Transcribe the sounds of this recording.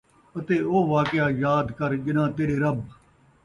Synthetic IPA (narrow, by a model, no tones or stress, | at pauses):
ət̪eːoːʋaːkɪjaːjaːd̪kəɾd͡ʒɪnãːt̪eːɽeːɾəb